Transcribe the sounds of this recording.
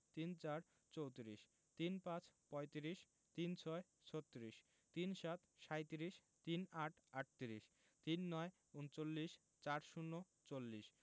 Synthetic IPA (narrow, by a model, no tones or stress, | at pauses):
t̪int͡ɕaɾ | t͡ɕowt̪iɾiʃ | t̪inpãt͡ɕpɔjt̪iɾiʃ | t̪int͡ɕʰɔe | t͡ɕʰot̪ːoɾiʃ | t̪inʃat̪ʃajt̪iɾiʃ | t̪inaʈʰaʈ̚t̪iɾiʃ | t̪inːɔe | unt͡ɕolːiʃ | t͡ɕaɾʃunːo | t͡ɕolːiʃ